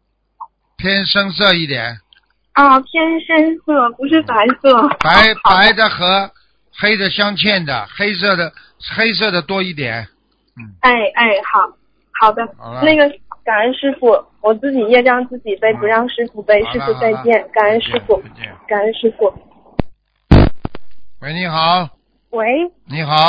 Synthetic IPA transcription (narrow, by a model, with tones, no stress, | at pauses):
pʰjɛ˥nʂə˥ŋs̬ɤ˥˧i˥˩t̪jɛ̰˨˩˦n | ə˥˧˩pʰjɛ˥nʂə˥ŋsɤ˥˩pu˧˥ʂ̬ɻ̩˥˩pa˧˥ɪsɤ˥˩pa˧˥ɪ˨˧pa˧˥ɪd̪ə˧xɤ˧˥ | xe˥ɪd̪ə˨ɕjɑ˥ŋt͡ɕʰjɛ˥˩nd̪ə̰˩xe˥ɪs̬ɤ˥˩d̪ə˩ | xe˥ɪs̬ɤ˥˩d̪ə˩t̪wɔ˥i˥˩t̪jɛ̰˨˦n̩˥˩ | e˥˩ɪe˥˩ɪxɑ˨˩ʊ | xɑ˨˩ʊd̪ə˦na˥˩ɡə˩ka˨˩nə˥˧nʂɻ̩˥fu˥˩ | wɔ˨˩t͡sɹ̩˥˩t͡ɕi˨˩jɛ˥˧ɻɑ˥˧ŋt͡sɹ̩˥˩t͡ɕi˨˩pe˥˩ɪpu˧˥ɻɑ˥˧ŋʂɻ̩˥fu˥˩pe˥˧ɪʂɻ̩˥˧t͡sa˥˧ɪpjɛ˥˩nka˨˩nə˥˧nʂɻ̩˥fu˥˩ka˨˩nə˥˧nʂɻ̩˥fu˥˩ | we˧˥ɪni˧˥xɑ˨˩˦ʊ | we˧˥ɪni˧˥xɑ˨˧˦ʊ